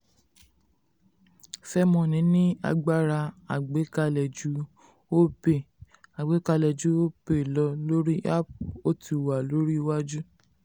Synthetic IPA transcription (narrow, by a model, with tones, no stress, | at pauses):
fɛ˦mɔ̃˧˨nĩ˨˦nĩ˦a̰˧ɡ͡ba˦ɾa˧a˨ɡ͡be˨˦ka˧lɛ˨d͡ʒu˨˦ | o˦pe˦˨ | a˨ɡ͡be˨˦ka˧lɛ˨d͡ʒu˨˦o˦pe˦˨lɔ˨˧˦lo˦ɾi˦a˦o˦ti˧˨wa˨lo˦ɾi˦wa˦d͡ʒu˦